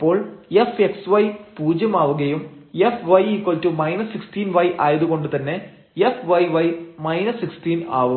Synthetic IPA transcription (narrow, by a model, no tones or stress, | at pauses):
ipːo̞ːɭefeksʋɐjpuːd͡ʑjɐmaːʋuɣɐjumefʋɐjikwɐltumɐjnɐsːikstiːnʋɐjʔaːjɐðuɣo̞ɳɖɨt̪ɐnːe̞ | efʋɐjʋɐjmɐjnɐsːikstiːna̰ːʋu